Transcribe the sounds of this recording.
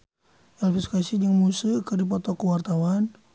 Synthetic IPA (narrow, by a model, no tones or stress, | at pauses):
ʔalfiskasid͡ʒəŋmusəkərdipɔt̪ɔkuwart̪awan